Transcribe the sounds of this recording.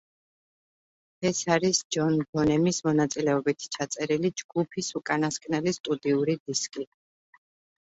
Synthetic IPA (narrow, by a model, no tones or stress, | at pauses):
ɛsaɾisd͡ʒɔnbɔnɛmismɔnat̪sʼilɛɔbit̪ʰt͡ʃʰat̪sʼɛɾilid͡ʒɡ̥upʰisukʼanaskʼnɛlist̪ʼud̪iuɾid̪iskʼi